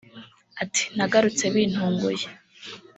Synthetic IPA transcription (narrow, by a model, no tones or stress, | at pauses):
ati̥n̥aɡaɾut͡se̞βiːn̥huːŋɡo̰je